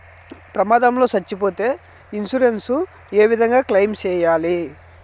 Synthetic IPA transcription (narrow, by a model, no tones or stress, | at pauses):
pɾɐmaːd̪ɐmlo̞ːsɐt͡ʃːipo̞ːt̪e̞ː | insuɾensu | e̞ːʋid̪ʱɐŋɡaːklɐjmt͡ʃɛːjaːli